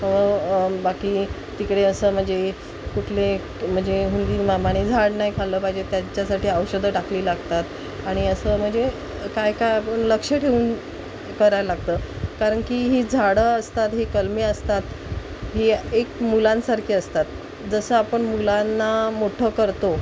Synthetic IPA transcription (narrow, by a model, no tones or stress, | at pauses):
əʋəbakiː | t̪ikɽeəsəːm̤əɳd͡ze | kuʈʰle | m̤əɳd͡ʑeɦund̪iːmamaɽ̃ed͡zʱaɽnaɦjkʰaləːpaid͡ʑet̪jaɲt͡ɕjasaʈʰiːəʋɕəd̪ʱəɖakʰliːlaɡt̪at̪ | aɽ̃iəsəːm̤əɳd͡ze | kajkajapəɳləkʂəʈʰeuːn | kəɾajlaɡ̚t̪əːkaɾəɳkiɦid͡zʱaɽəəst̪at̪ɦikəlmiːəst̪at̪ | ɦiekmulãnsaɾkʰiːəst̪at̪̚ | d͡zəsəːapəɳmulanːamoʈʰəkəɾt̪o